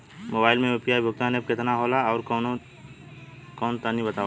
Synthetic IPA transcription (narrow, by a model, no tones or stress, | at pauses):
moːbaːɪlmẽopijaːibʱʊɡ̚t̪aneb̚kɪt̪naɦoːlaɔːɾ | kɔːnt̪anĩbɐt̪aːʋ